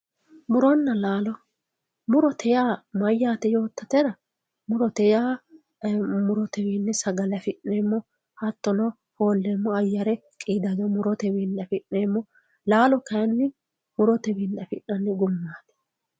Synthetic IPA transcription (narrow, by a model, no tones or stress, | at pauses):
mʊɾɔnːɐlaːlɔ | mʊɾɔt̪ʰɛjaːmɐjːaːt̪ɛjo̞ːt̪ːɐt̪ɛɾɐ | mʊɾɔt̪ɛjaː | mʊɾɔt̪ɛwiːnːɪsɐɡɐlɐfɪʔeːmːɔ | hɐt̪ːɔnɔ | ho̞ːlːemːɔɐjːɐɾɛkʼiːd̪ɐd̪ɔmʊɾɔt̪ɛwiːnːɐfɪʔːeːmːɔ | laːlɔkɐjnːɪ | mʊɾɔt̪ɛwiːnːɐfɪ̰nːɐnːɪɡʊmːaːt̪ɛ̥